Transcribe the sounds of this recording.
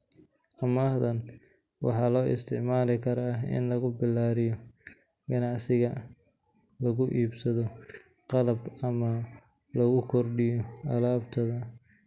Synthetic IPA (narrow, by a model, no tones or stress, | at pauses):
ʔɐmaːhðɐn | wɑ̰ħɑːlɔːʔɪ̰st̪ʰɪʕmaːlɪkʰɐɾaɪ̰nlɐɣʊbɪlːaːɾɪjɔ | ɡɐnɑʕsɪɣɐ | lɐɣʊʔiːbsɐðɔ | qɑlɐbɐmɐ | lɐɣʊkʰɔrɖɪjɔɐlaːbt̪ʰɐðɐ